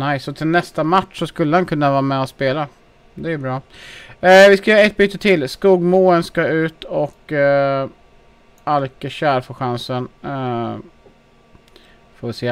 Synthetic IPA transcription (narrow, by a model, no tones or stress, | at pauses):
najsːɔt̪ʰɪlnɛst̪amaʈʂɔskɵlːəhankʰɵnːavɑːamɛɔspeːla | d̪ɛæjʉbɾɑː | vɪskajœːɾaɛt̪̚byːt̪ːət̪ʰɪlːskuːɡmuːənskaʉ̟ːt̪ɔkː | alkəɕæːɾfoːɧansən | foːvɪseː